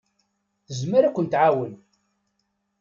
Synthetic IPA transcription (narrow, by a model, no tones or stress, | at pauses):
θəzməɾækʷːənt̪ʕawən